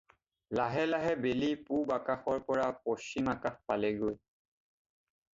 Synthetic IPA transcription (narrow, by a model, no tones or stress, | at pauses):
laɦɛlaɦɛbelipubakaxɔɹpɔɹapɔst͡ʃimakaxpalɛɡoj